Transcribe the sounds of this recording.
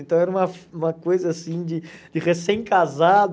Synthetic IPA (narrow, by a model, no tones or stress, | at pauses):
ẽnt̪ɐ̃w̃ɛɾɐũmɐfũmɐkojzɐasĩd͡ʒɪd͡ʒɪʁesẽj̃kazad̪